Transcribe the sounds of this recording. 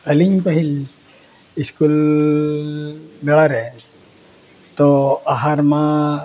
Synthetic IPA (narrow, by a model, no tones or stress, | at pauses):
aliɲpaɦil | iskul | bɛlaɾɛn | t̪oaɦarma